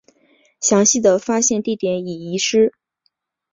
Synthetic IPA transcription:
ɕjɑ˧˥ŋɕi˥˩d̪ə˩fa˥ɕjɛ˥˧nt̪i˥˩t̪jɛ˧˥ni˨˩i˧˥ʂɻ̩˥

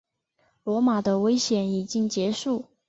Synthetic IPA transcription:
lwɔ˧˥ma˨˩d̪ə˦we˥ɪɕjɛ˨˩ni˨˩t͡ɕi˥ŋt͡ɕjɛ˧˥ʂu˥˩

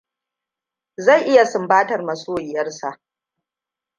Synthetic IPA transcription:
za˦˨jʔɪ˦ja˨sʊ˨mbaː˦tɐ˨rmɐ˨soː˦jɪ˨jɐ˦rsa˨ʔ

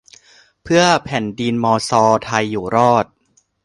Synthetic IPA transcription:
pʰɯ˥˩ɐəpʰɛ˨˩˦ndiː˧nmɔː˧sɔː˧t̪ʰa˧jːuː˨˩ɾɔː˥˩t̪̚

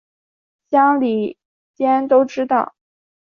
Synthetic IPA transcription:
ɕjɑ˥ŋli˨˩ | t͡ɕjɛ˥nt̪o˥ʊʈ͡ʂɻ̩˥t̪ɑ˥˩ʊ

